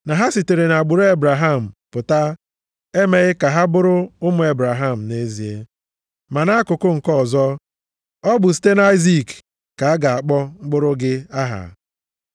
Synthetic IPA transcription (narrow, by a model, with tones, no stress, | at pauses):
na˨ɦa˦si˨te˨ɾe˨na˨a˨ɡ͡bʊ˨ɾo˦e˦bɾa˨ɦa˦˨m̩˨pʊ˨ta˦ | e˦me˨ɣɪ˦ka˨ɦa˦bʊ˦ɾʊ˦ʊ˦mʊ˨e˨˦bɾa˨ɦa˦˨m̩˨ne˦zi˨e˦ | ma˨na˦a˦kʊ˨kʊ˦ŋ̩˨kɔ˦˨zɔ˦ | ɔ˦bʊ˨s̬i̥˦te˦na˦ɪ˦zi˦˨kː | a˨a˦ɡa˨a˨k͡pɔ˦ŋ͡m̩˦ɡ͡bʊ˦ɾʊ˦ɡɪ˦a˦ɦa̰˨